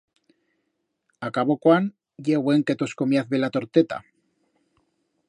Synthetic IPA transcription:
akaβokwan | jeɣweŋket̪oskomjaθβelat̪o̞ɾt̪et̪a̰

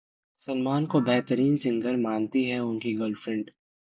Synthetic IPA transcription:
sɐnmaːnkobɛɦt̪əɾiːnsɪ̃ŋɡəɾmaːnt̪iɦɛʊnkiɡəlfɾɪ̃ɳɖ

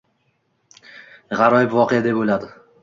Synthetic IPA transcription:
ʁɑɾɒjɪpvɒqejad̪epolad̪ɪ

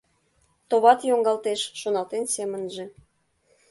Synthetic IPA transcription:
t̪oβɑt̪joŋɡɑlt̪eʃːonɑlt̪ensemənʒĕ

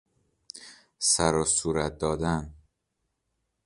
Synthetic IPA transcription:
sæɾosuːɾæt̪̚d̪ɒːd̪æn

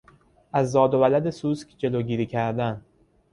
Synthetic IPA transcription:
ʔæzːɒːd̪ovælæd̪e̞suːskʲʰd͡ʒe̞loːɟiːɾiːcʰæɾd̪æn

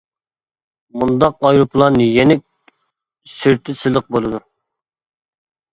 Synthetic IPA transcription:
mund̪ɑqɑjɾupʰlˠɑnjenɪk̚ʲ | syɾt̪ʰɪsɨlˠəq̚bolˠɨd̪u

